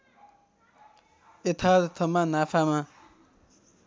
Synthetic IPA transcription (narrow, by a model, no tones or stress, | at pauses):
et̪ʰat̪t̪ʰəmãnafʰamã